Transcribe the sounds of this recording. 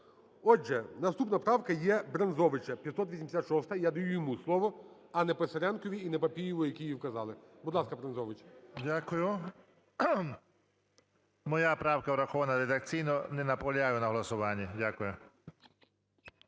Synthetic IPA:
ɔʒɛnɐst̪upnɐpɾɑwkɐjɛbɾɐnzɔʋɪt͡ʃɐpʲjɐt̪sɔt̪ʋisʲmd̪ʲsʲat̪ʃɔst̪ɐjad̪ɐjujɔmuslˠɔʋɔ | ɐnɛpesɐɾʲankɔʋʲiːnɛpɐpʲijiʋɔjɐkʲijiwkɐzɑlˠɪbʊd̪lˠɑskɐbɾɐnzɔʋɪt͡ʃdʲakʊjʊ | mɔjapɾɑwkɐwɾɐxɔʋɐnɐɾed̪ɐk̚t͡sʲijnɔnɛnɐpɔlʲajʊnɐɦlˠɐsʊʋɑnʲːidʲakʊjʊ

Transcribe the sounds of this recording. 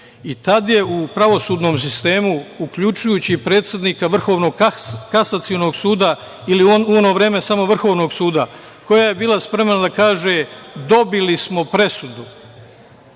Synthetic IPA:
it̪ad̪je̞upɾaʋo̞suːd̪no̞ːms̬ist̪e̞ːmuukʎut͡ʃujuːt͡ɕipɾeːt̪sjed̪niːkaʋr̩xo̞ːʋno̞ɡkasat̪sio̞no̞ːɡsuːd̪a | iliuono̞ːʋɾe̞ːme̞samo̞ʋr̩xo̞ːʋno̞ɡsuːd̪a | ko̞jaːje̞biːlˠaspɾe̞mnad̪akaːʒe̞ːd̪o̞bilismo̞pɾe̞sud̪u

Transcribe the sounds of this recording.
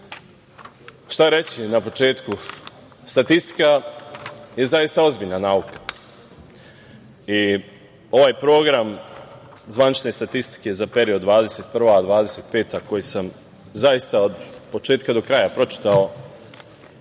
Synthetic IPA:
ʃt̪aɾe̞t͡ɕinapo̞t͡ʃe̞ːt̪ku | st̪at̪ist̪i̥ka | je̞zajist̪ao̞zbiʎnanaːukḁ | i | o̞ʋaːjpɾo̞ːɡɾam | zʋanit͡ʃne̞st̪at̪ist̪i̥ke̞zape̞ɾiod̪ʋaːd̪e̞se̞t̪̚pr̩ʋad̪ʋaːd̪ese̞ːt̪̚pe̞ːt̪ako̞jisam | zaist̪aod̪po̞t͡ʃe̞ːt̪kad̪o̞kɾajapɾo̞t͡ʃi̥t̪ao

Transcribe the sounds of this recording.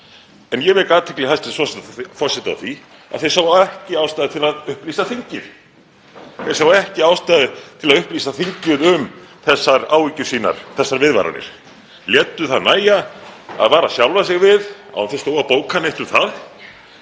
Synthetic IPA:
ɛnjɛvɛɾkaːt̪ʰɪklɛhast̪ɪfɔsɛt̪ifɔr̥sɛt̪aθi | a̰ðθej̥sawɛhcɪaːwst̪ajðɪt̪ʰɪlaðʏhpliːsaθiɲcɪɾ̥ | ɛ̥sawɛhcɪawst̪ajðɪt̪ʰɪlaðʏhpliːsaθiɲcɪðʏmθɛsːaɾaːwicʏsiːna̰ɾ̥θɛsːaɾvɪðva̰ɾa̰nɪ̰ɾ̥ | ljɛːt̪ːʏθaðnaːjaa̰ðvaːɾasjawlvasɪɣvɪða̰waθest̪owvapoːwkʰaneht̪ʏmθað

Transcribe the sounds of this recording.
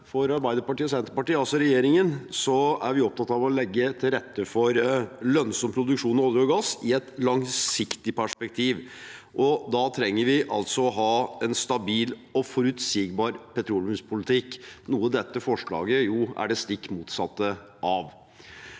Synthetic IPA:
fɔɾɑɾbæɪd̪əɾpɑʈiːɔsɛnt̪əpɑʈiːəɑlsɔɾɛjeːɾɪŋənsɔæɾʋɪɔp̚t̪ʰɑt̪ːɑʋɔlɛɡːət̪ʰɪlɾɛt̪ːəfɔɾlœnsɔmpʰɾʊd̪ʉkʂuːnɔːd̪ɔɡɑsɪɛt̪lɑŋsɪkt̪ɪpʰæʂpɛkt̪ʰiːʋʔɔd̪ɑt̪ʰɾɛŋːəɾʋɪʔɑ̰lt̪sɔɔɦɑːɛnst̪ɑbiːlɔfɔɾʉt̪siːɡbɑːɾpʰɛt̪ʰɾuːlmʉspʰʊlɪt̪ʰɪkːnuːəd̪ɛt̪ːəfɔʂɭɑ̰ːɡəjʊæ̰ɖɛst̪ɪkːmuːt̪sɑt̪ːə | ʔɑʋ

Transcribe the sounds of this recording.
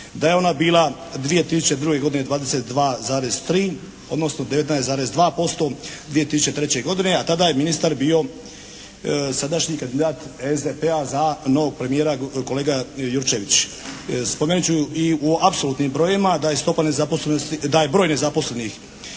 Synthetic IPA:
d̪ajeo̞nabiːlˠa | d̪ʋije̞t̪isu̥t͡ɕe̞d̪ɾuɡe̞ɡo̞d̪ined̪ʋaːd̪ese̞t̪d̪ʋaːzaːɾest̪ɾiː | o̞̰d̪no̞snod̪eʋet̪naeszaːɾesd̪ʋaːpo̞st̪o̞d̪ʋije̞t̪isu̥t͡ɕe̞t̪ɾe̞t͡ɕe̞ɡo̞d̪ine̞at̪ad̪aje̞minist̪aɾbiːo̞ | sad̪aʃɲikand̪id̪aːt̪ezd̪epeazano̞ʋo̞ɡ̚pɾe̞mijeːɾako̞le̞ːɡajuɾt͡ʃeʋit͡ɕ | spome̞nit͡ɕuiuapso̞luːt̪nimbɾo̞jimad̪ajest̪o̞panezaposlenost̪id̪aje̞bɾoːjne̞zapo̞sle̞nix

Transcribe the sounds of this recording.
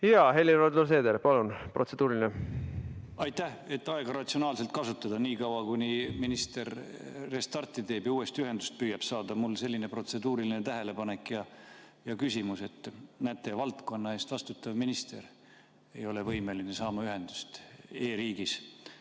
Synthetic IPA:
jɑɦe̞lːirod̪olse̞ːd̪elpɑlunprʔo̞t̪sed̪̥uːɾilʲine | ɑjt̪ːæhe̞t̪ːɑe̞ɡ̥ɑɾɑt̪sio̞nɑːlse̞lt̪̚kɑsut̪ːˑɑd̪ɑniːkɑwɑkunʲiminist̪e̞ɾːe̞st̪ɑrt̪ːˑit̪e̞ːbiuːe̞st̪iyɦe̞nd̪̥ust̪̚pyːjɑb̥sɑːd̪ɑmulːse̞lʲːine̞pro̞t̪se̞d̪uːɾilinet̪æɦele̞pɑne̞kːjɑjɑkysʲimuse̞t̪ːˑnæt̪ːˑe̞vɑlt̪ko̞nːɑe̞ːst̪vɑst̪ut̪ːˑɑvminist̪e̞̰ɾ | e̞̰jo̞le̞vɤjme̞linesɑːmɑyɦe̞nd̪̥u̥st̪e̞ːɾiːɡ̥is

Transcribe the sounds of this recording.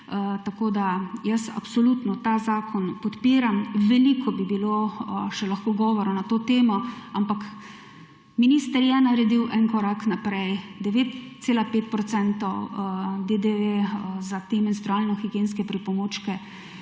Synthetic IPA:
t̪akoːd̪ajəsa̰psɔlut̪nɔt̪aːzaːkʰɔnpɔt̪piːɾamʋɛliːkʰɔbibiloʃɛlaxkoːɡɔːʋɔɾɔnat̪oːt̪eːmɔampak | miniːst̪əɾjɛnaɾɛd̪iwʔɛnkɔɾaknapɾɛjd̪ɛʋeːt̪seːlapeːt̪̚pɾɔt̪sɛnt̪ɔwd̪ed̪eʋezat̪eːmɛnst̪ɾuaːlnɔxiɡjeːnskɛpɾipɔmoːt͡ʃkɛ

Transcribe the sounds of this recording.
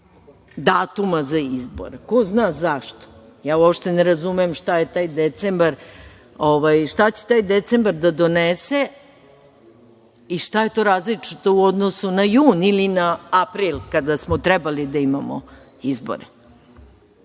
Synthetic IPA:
d̪aːt̪umazaizbo̰ɾeko̞znaːzaʃt̪o̥ | jaːuopʃt̪eneɾazumeemʃt̪ajet̪aːjd̪et̪sembaɾ | oʋajʃt̪at͡ɕe̥t̪aːjd̪et̪sembaɾd̪ad̪o̞nese | iʂt̪aje̞t̪o̞ːɾaːzlit͡ʂit̪o̞uod̪nosunajuːnilinaapɾiːlkad̪asmot̪ɾɛbalid̪aimamo | izbo̰ɾe

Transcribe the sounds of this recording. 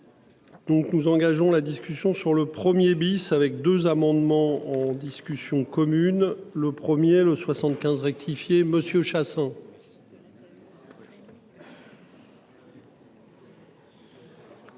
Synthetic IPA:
d̪̥ɔ̃knuzɑ̃ɡaʒɔ̃lad̪iskʲysjɔ̃syʁləpχəmjebisavɛk̚d̪øzamɑ̃d̪mɑ̃ɑ̃d̪iskʲysjɔ̃kɔmynləpχəmjeləswasɑ̃t̪kʲɛ̃zʁɛk̚t̪ʰifjeməsjøʃasɛ̃

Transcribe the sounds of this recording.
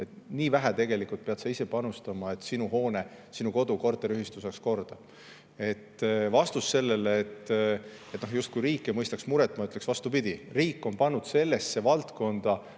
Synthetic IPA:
e̞t̪niːvæɦæt̪e̞ɡ̥e̞likult̪̚pe̞ɑd̪sɑise̞pɑnust̪ɑmɑe̞t̪ːˑsinuho̞ːne | sinuko̞d̪̥uko̞rt̪ːˑeɾyhist̪useksko̞rd̪̥ɑ | e̞t̪ːvɑst̪usːe̞lːe̞leːt̪ː | e̞t̪no̞hjust̪̚kujɾiːkːˑemɤjst̪ɑksmuɾet̪ːˑmɑyt̪leksvɑst̪upid̪̥ʲiriːkːˑo̞npɑnːud̪̥se̞lːe̞sːe̞vɑlt̪ko̞nd̪̥ɑ

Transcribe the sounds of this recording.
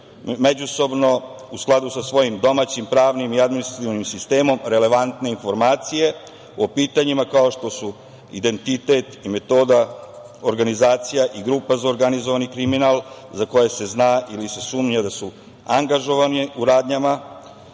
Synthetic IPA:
me̞d͡ʑuso̞bno̞ | usklˠad̪usasʋo̞jimd̪o̞maːt͡ɕimpɾaːʋnimiad̪minist̪ɾat̪iʋnimsist̪e̞ːmo̞mɾe̞le̞ʋant̪ne̞info̞ɾmaːt̪sije̞ | o̞piːt̪aɲimakao̞ʃt̪o̞su | id̪e̞nt̪it̪e̞t̪ime̞t̪o̞ːd̪a | oɾɡanizaːt̪sijaʔiɡɾuːpazaoɾɡanizoʋanikɾiminalˠ | zako̞je̞se̞znaːʔilise̞suːmɲad̪asu | aŋɡaʒo̞ʋaniuɾaːd̪ɲama

